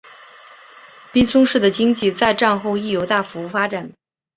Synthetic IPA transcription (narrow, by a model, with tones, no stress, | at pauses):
pi˥nsʊ˥ŋʂɻ̩˥˩d̪ə˩t͡ɕi˥ŋt͡ɕi˥˧t͡sa˥˧ɪʈ͡ʂa˥˧nxo˥˧ʊi˥˩jo˧˥ʊt̪a˥˩fu˧˥u˥˩fa˥ʈ͡ʂa˨˩˦n